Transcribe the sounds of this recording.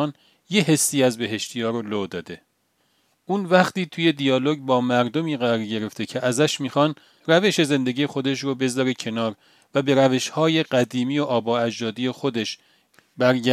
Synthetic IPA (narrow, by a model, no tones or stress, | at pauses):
n | je̞ɦe̞sːiːæzbe̞ɦe̞ʃt̪ʰijɒːɾolod̪ɒːd̪e̞ | ʔuːnvæχt̪iːt̪ʰuːje̞d̪ijɒːloɟbɒːmæɾd̪omiːɣæɾɒːɾɟe̞ɾe̞ft̪ʰe̞cʰeʔæzæʃmiːxɒn | ræve̞ʃe̞ze̞nd̪e̞ɡɟiːje̞xo̞d̪e̞ʃɾobe̞zɒːɾe̞cʰe̞nɒːɾ | væbe̞ɾæve̞ʃhɒːje̞ɢæd̪iːmiːjoʔɒːbɒːæd͡ʒd̪ɒːd̪iːje̞xod̪e̞ʃ | bæɾɟæ